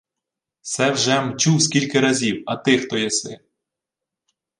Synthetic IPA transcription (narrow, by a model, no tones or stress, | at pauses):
sɛwʒɛmt͡ʃuwskʲilʲkɪɾɐzʲiwɐt̪ɪxt̪ɔjɐsɪ